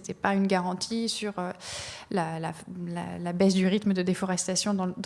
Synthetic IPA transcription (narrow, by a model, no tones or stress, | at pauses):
t̪ɛpaynɡaʁɑ̃t̪ʰisyʁølalala̰labɛsd̪yʁit̪məd̪əd̪efɔʁɛst̪asjɔ̃d̪ɑ̃d̪